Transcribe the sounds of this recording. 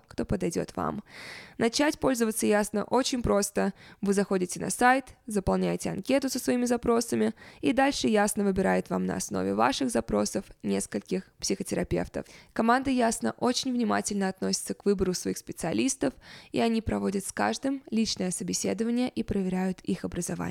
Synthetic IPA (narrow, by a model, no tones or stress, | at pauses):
kt̪o̞pəd̪ɐjdʲo̞̰t̪va̰mnɐt͡ɕætʲpo̞lʲzəvət̪səjasnə̰ʔot͡ɕɪnʲpɾo̞st̪əvɨzɐxo̞dʲɪtʲɪnɐ̰sajt̪zəpɐlˠnʲæjtʲɪɐ̰nkʲe̞t̪ʊsəsvɐimʲɪzɐpɾo̞səmʲɪid̪alʲʂɨjasnəvɨbʲɪɾajɪt̪vamnə̰ɐ̰sno̞̰vʲɪ̰va̰ʂɨɣzɐpɾo̞səfnʲe̞skəlʲkʲɪxpsʲɪxətʲɪɾɐpʲe̞̰ft̪ə̰fkɐmand̪əjasnə̰ʔo̞t͡ɕɪnʲvnʲɪma̰tʲɪlʲnəɐt̪no̞sʲɪt̪səkvɨbəɾʊsvɐixspʲɪt̪sɨɐ̰lʲist̪əfḭɐnʲipɾɐvo̞dʲət̪ska̰ʐd̪ɨmlʲit͡ɕnəjəsəbʲɪsʲe̞d̪əvənʲɪjəʔipɾəvʲɪɾʲæjʊt̪ixɐbɾəzɐva̰